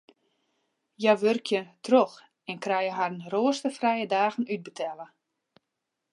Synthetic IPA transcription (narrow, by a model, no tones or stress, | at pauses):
jaʋørkʰjətrox | ɛnkrɛjəɦarnroəstəfrɛjədaːɣən̩yd̚bətʰɛlə